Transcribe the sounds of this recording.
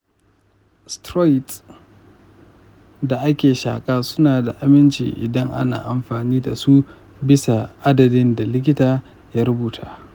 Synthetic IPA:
stɾɔ˦˨t | da˨ʔa˦kʲeː˨ʃa̰ː˨kʼaː˦sʊ˦naː˨da˨ʔa˨mɪ˦nt͡ʃḭː˨ʔɪ̰˨dɐ˦ŋʔa̰˦na̰ː˨ʔa˨mɸaː˨niː˦da̰˨su˦ | bɪ˦sa˨ʔa˦dɐ˨dɪ˦nda˨lɪ˦k̬ʲɪ˦taː˨ | jaː˦ɾʊ˦buː˨tʰa̰ː˦

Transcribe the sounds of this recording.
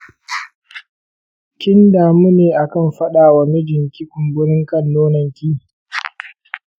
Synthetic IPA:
kʲɪ˦ndaː˨mu˦neː˨ʔa˨kɐ˦˨mɸɐ˦ɗaː˨wɐ˨mɪ˦d͡ʒɪ˨ŋkʲi˦kʷʊ˨mbʊ˦ɾɪ˦ŋkɐ˦nːoː˦nɐ˨ŋkʲiː˦

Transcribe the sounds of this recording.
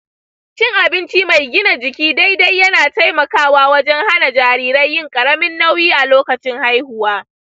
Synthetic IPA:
ʃɪ˦ŋʔa˨bɪ˦nt͡ʃiː˦ma˨jɡʲɪ˦na˨d͡ʒɪ˨kʲiː˦da˦jda˦jːɐ˦naː˨ta˦jmɐ˨kaː˦˨waː˦wɐ˦d͡ʒɛ˦ŋha˦na˨d͡ʒaː˨ɾiː˦ɾɐ˦jːɪ˦ŋkʼɐ˨ɾɐ˦mɪ˦nːa˦wjiː˦ʔa˨loː˦kɐ˨t͡ʃɪ˦ŋha˦jhʊ˨waː˦

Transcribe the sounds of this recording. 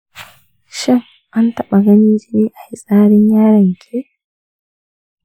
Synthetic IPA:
ʃɛ˦ŋ | ʔa˦ntɐ˦ɓa˨ɡɐ˦niː˦d͡ʒeː˦ʔa˨hi˨sʼaː˦ɽɪ˦ɲjaː˦ɽɐ˨ŋkʰʲe˦

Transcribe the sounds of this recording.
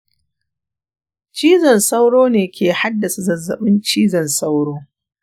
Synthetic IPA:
t͡ʃiː˦zɐ˨nsa˦wɽoː˦neː˨kʲeː˨ha˦dːɐ˨sa˨zɐ˨zɐ̰˨ɓɪ˦nt͡ʃiː˦zɐ˨nsa˦wɽoː˦

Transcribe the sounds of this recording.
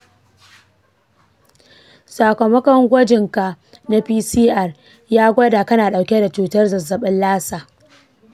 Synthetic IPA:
saː˨kʷɐ˨mɐ˦kɐ˦ŋɡʷɐ˦d͡ʒɪ˨ŋka˨ʔ | na˦piː˦siː˦ʔɐ˨r | jaː˦ɡʷɐ˦da˨kɐ˦naː˨ɗa˨wkʲe˦da˨t͡ʃuː˨tɐ˦rzɐ˨zɐ˨ɓɐ˦nlaː˦saː˨

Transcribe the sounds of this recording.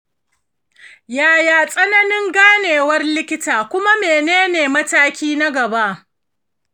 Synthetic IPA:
jaː˨jaː˨sʼɐ˦nɐ˦nɪ˦ŋɡaː˦neː˨wɐ˦rlɪ˦kʲɪ˦taː˨kʷʊ˦ma˦meː˨neː˦neː˨mɐ˦taː˦kʲiː˦na˦ɡɐ˨ba˦ʔ

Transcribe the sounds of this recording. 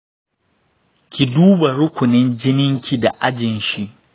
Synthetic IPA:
kʲi˨duː˦ba˨ɾʊ˦kʷʊ˨nɪ˦nd͡ʒɪ˦nɪ˦ŋkʲʰi˨da˨ʔa˦d͡ʒɪ˨nʃi˦ʔ

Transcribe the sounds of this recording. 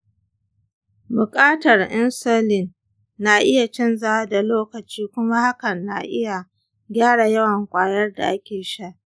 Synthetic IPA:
bʊ˨kʼaː˦tɐ˨rʔɪ˦nsoː˦lɪ˨n | na˨ʔɪ˦ja˨t͡ʃɛ˦nza˦da˨loː˦kɐ˨t͡ʃiː˦kʷʊ˦ma˦ha˦kɐ˨nːa̰˨ʔɪ˦ja˨ | ɡʲaː˦ɽa˨jɐ˦wɐ˨ŋkʷʼaː˨jɐ˦rda̰˨ʔa˦kʲeː˨ʃa˦ʔ

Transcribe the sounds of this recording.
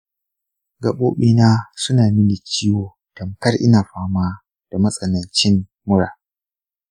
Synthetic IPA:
ɡa˨ɓoː˦ɓiː˦naː˦sʊ˦naː˨mɪ˦ni˨t͡ʃɪː˦woː˨ | tɐ˨mkɐ˦rʔɪ̰˦naː˨ɸaː˦maː˦ | d̥a˨mɐ˦sʼɐ˨nɐ˨nt͡ʃɪ˦mː | ʊ˦ɽa̰ː˨

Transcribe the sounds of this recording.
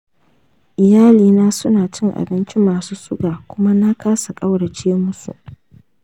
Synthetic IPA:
ʔɪ˨jaː˦liː˨naː˦sʊ˦naː˨t͡ʃɪ˦ŋʔa̰˨bɪ˦nt͡ʃɪ˦mːaː˨suː˦sʊ˦ɡaː˨kʷʊ˦ma˦na˦kaː˦sa˨kʼa˦wɽa˨t͡ʃeː˦mʊ˦sṵ˨ʔ

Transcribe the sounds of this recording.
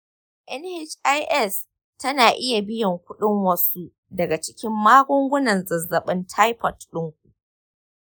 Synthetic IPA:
ʔɛ˦nhɪ˨t͡ʃʔa˦jʔɛ˦s | tɐ˦naː˨ʔɪ˦ja˨bɪ˦jɐ˨ŋkʷʊ˦ɗɪ˦ŋwɐ˦su˦ | dɐ˨ɡa˨t͡ʃɪ̥˦kʲɪ˦mːaː˦ɡʷʊ˦ŋɡʷʊ˦nɐ˨nzɐ˨zːɐ˨ɓɪ˦ntʰa˦jpɐ˨tɗʊ˦ŋkʷu˨

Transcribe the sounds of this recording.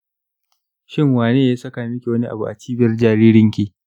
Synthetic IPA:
ʃɪ˦ŋwaː˨neː˦jaː˦sɐ˦kaː˨mɪ˦kʲi˨wɐ˦ni˦ʔa̰˨bu˨ʔa˨t͡ʃiː˦bɐ˦rd͡ʒaː˨ɾiː˦ɾɪ˦ŋkʲiː˦˨

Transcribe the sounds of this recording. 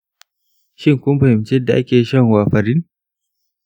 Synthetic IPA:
ʃɪ˦ŋkʷʊ˦m˦ɸɐ˨hɪ˨mt͡ʃɛ˦dːa˨ʔa˦kʲeː˨˦ʃɐ˦˨ŋwaː˨ɸɐ˨ɾɪ˦n

